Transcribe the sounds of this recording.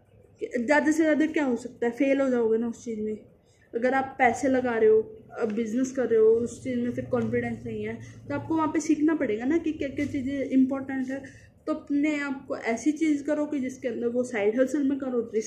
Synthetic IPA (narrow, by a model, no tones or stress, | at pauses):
kd͡ʒaːd̪əsed͡ʒaːd̪ekjaːɦoːsək̚t̪aɦɛːpʰeːlɦoːd͡ʒaːoːɡeːnaʊst͡ʃiːzmẽː | əɡəɾaːpːɛːseːləɡaːɾeːoːbɪznəskəɾːeːoːʊst͡ʃiːzmẽːpʰɪɾkɔːnfɪɖɛ̃ːnsaiːãɛːt̪oaːp̚koːʋãːpeːsiːkʰnaːpəɽeːɡaːnaːkɪkeːket͡ʃiːd͡ʒeɪmpɔːɾʈəɳʈɦɛː | t̪oəpnẽːaːp̚ko̰ːʔɛːsiːt͡ʃiːzkəɾoːkɪd͡ʒɪskeə̃nd̪əɾʋoːsaːɪɖɦɛlsəlmẽːkəɾoːɪ